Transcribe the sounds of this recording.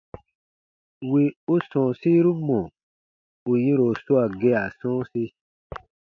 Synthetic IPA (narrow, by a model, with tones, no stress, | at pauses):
wi˨u˦sɔ̃˨si˦ɾu˦mɔ̃˨ | u˨jĩ˦ɾo˨su˦a˨ɡe˦a˨sɔ̃ː˦si˦